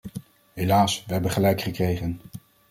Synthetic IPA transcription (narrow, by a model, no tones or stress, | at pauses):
ɦelaːsʋəɦɛbəχəlɛjkχəkrejχən